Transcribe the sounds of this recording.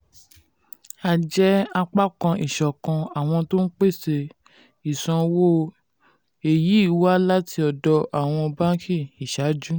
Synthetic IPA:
a˧˨d͡ʒɛ˦a˧k͡pa˦kã˧i˨ʃɔ˨kã˧a˨w̃ɔ̃˧to˦n̩˦k͡pe˦˨se˧ | i˨sã˧wo˦ | e˨ji˨˦i˦˨wa˦la˦tʰi˧ɔ˨dɔ˧ʔa˨w̃ɔ̃˧ɔ˧bã˦kʰi˦˨i˨ʃa˨˦d͡ʒu˦

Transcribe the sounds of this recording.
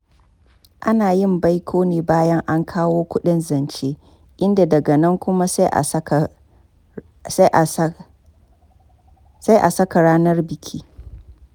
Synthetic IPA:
ʔa˦naː˨jɪ˦˨mba˦jkʷʰoː˦neː˨baː˦jɐ˦ŋʔa˦ŋkʰaː˦woː˦kʷʊ˦ɗɪ˦nzɐ˨nt͡ʃeː˦ | ʔɪ˦nda˨dɐ˨ɡɐ˨nɐ˦ŋkʷʊ˦ma˦sʔ | sa˦jʔa˨sɐ˦ka˨ɽaː˦nɐ˦rbɪ˨kʲʰi˦

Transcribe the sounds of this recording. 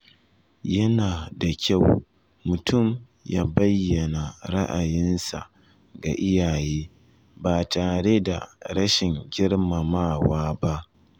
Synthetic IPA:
jɐ˦naː˨da˨kʲa˦˨w | mʊ˨tʰʊ˦˨m | ja̰ː˦bɐ˦jːɐ˨na˨ɾa˦ʔa˨jɪ˦nsa̰˨ | ɡa˨ʔɪ˦jaː˨jeː˦ | baː˨taː˨ɽe˦da̰˨ɾɐ˦ʃɪ˨ŋɡʲɪ˦ɽma˨maː˦waː˦ba˦ʔ

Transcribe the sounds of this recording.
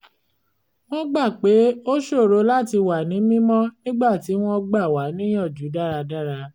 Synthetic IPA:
w̃ɔ̃˦ɡ͡ba˦˨k͡pe˨˦o˦ʃo˦˨ɾo˨˧˦la˦ti˧wa˨nĩ˨˦mĩ˦mɔ̃˦nĩ˦ɡ͡ba˦˨ti˨˦w̃ɔ̃˦ɡ͡ba˦˨wa˨˦nĩ˦j̃ɔ̃˦˨d͡ʒu˨˦da˦ɾa˧da˦ɾa˧

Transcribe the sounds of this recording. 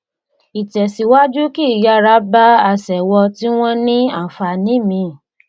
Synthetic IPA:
i˨tɛ˨si˨wa˦d͡ʒu˦ki˦˨ja˨˧˦ɾa˦ba˦a˧sɛ˨wɔ˧ti˦w̃ɔ̃˦nĩ˦a˦˨fa˧nĩ˨˦˨mĩ˧˨

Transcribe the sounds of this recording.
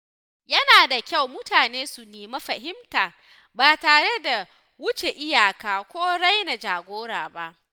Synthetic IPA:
jɐ˦naː˨da˨kʲa˦˨wmʊ˦taː˨neː˦su˨neː˨ma˦ɸɐ˨ɦɪ˦mtaː˨ | baː˨taː˨ɽe˦da˨ | wʊ˦t͡ʃe˨ʔɪ˦jaː˨kaː˨kʷoː˦ɽa˦jna˨d͡ʒaː˨ɡʷoː˦ɽaː˨ba˦ʔ

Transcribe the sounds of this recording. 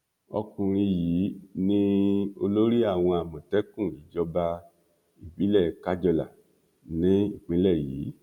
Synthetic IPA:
ɔ̰˧kũ˨ɾ̃ĩ˧jiː˨˦nĩ˦o˧lo˦ɾi˦a˦˨w̃ɔ̃˧a˨mɔ̃˨tɛ˦kũ˦˨i˨d͡ʒɔ˧ba˧ | i˨bi˨˦lɛ˦˨ka˦d͡ʒɔ˧la̰˨ | nĩ˨˦i˦˨k͡pĩ˨˦lɛ˦˨jḭː˨˦

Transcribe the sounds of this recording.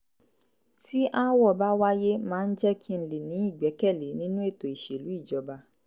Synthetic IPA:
ti˦ʔa˦wɔ˦˨ba˦wa˦je˦mãː˦˧n̩˦d͡ʒɛ˦kʰi˦n̩˨li˨nĩ˨˦i˦˨ɡ͡bɛ˨˦kɛ˦˨le˨˦nĩ˦nũ˦e˦˨to˨i˨ʃe˨lu˨˦i˦˨d͡ʒɔ˨˦ba˧

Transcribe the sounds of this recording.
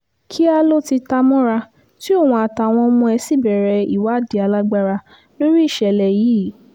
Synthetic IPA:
kʰi˦a˧lo˦ti˧ta˧mɔ̃˦ɾa˧ | ti˦o˦˨w̃ũ˧a˨ta˨w̃ɔ̃˧mũ˧ɛ˧si˦˨bɛ˨ɾɛ˨i˦˨wa˨˦˨di˧a˧la˦ɡ͡ba˧ɾa˧ | lo˦ɾi˦i˦˨ʃɛ˨lɛ˧jiː˨˦˨

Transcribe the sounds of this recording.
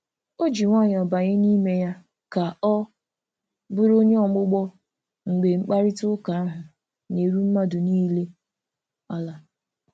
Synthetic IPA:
o˦d͡ʒi˨ŋʷa˦˨ɲ˨ɔ˨ba˨ɲɪ˦ni˦me˦ja˦ | ka˨ɔ˦ | bʊ˦ɾo˦ɲe˦ɔ˨mʊ˦ɡ͡bɔ˦ | ŋ̩˨ɡ͡be˨ŋ͡m̩˦k͡pa˦ɾɪ˦tʊ˦ka˨a˦ɦʊ˨ | ne˨ɾu˦m̩˦ma˦dʊ˨niː˦le˦ | a˦la˨

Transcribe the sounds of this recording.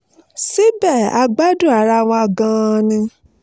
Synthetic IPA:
si˦bɛ˦˨a̰˧ɡ͡ba˦du˦˨a˨ɾa˧˨w̃ɔ̃˧a˧ɡã˧nĩ˧

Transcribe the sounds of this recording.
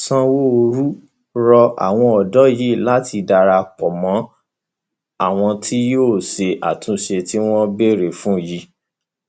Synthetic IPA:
sã˦wo˦˧ɾu˦ | ɾɔ˧a̰˨w̃ɔ̃˧ɔ˨dɔ˨˦ji˨˦˨la˦tʰi˧da˧ɾa˧k͡pɔ˨mɔ̃˨˦ | a˦˨w̃ɔ̃˧tʰi˦joː˦˨ʃe˧ʔa̰˨tũ˧ʃe˧ti˦w̃ɔ̃˦be˦ɾe˨fũ˦˨ji˧˦

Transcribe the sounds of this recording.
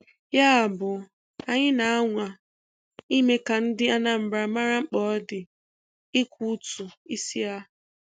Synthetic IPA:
ja˦a˨bʊ˨ | a˦ɲɪ˦na˨a˦ŋʷa˨ | i˦me˦ka˨n̩˦dɪ˦a˦na˦m̩˨bɾa˨ma˦ɾa˦ŋ͡m̩˦k͡pɔ˨˦dɪ˨ | ɪ˦kʷu˦tu˨i˦si˦a˦

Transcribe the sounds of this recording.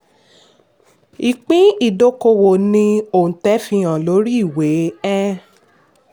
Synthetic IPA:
i˨k͡pĩ˦i˨do˧˦ko˧wo˨nĩ˧o˨ũ˨tɛ˨˦fĩ˧j̃ã˨lo˨˦ɾi˦i˦˨we˨˦ɛ˦

